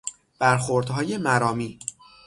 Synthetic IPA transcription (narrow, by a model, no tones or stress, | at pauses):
b̥æɾxoɾd̪ɦɒːje̞mæɾɒːmiː